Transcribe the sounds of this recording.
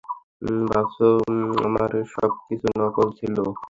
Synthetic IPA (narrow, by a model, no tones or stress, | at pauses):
babsoa̰maɾʃɔ̰b̚kit͡ɕʰunɔkolt͡ɕʰilo